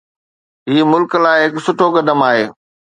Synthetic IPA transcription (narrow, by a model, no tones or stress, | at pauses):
ɦiːmʊlkəlaːɪɦɪksʊʈʰokɐd̪əmaːɦeː